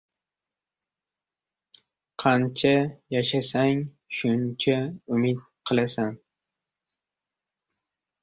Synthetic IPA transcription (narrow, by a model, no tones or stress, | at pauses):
qʰɑnt͡ʃʰajaʃasaŋ | ʃʊnt͡ʃʰaʊmɪd̪̚qʰɨlˠasan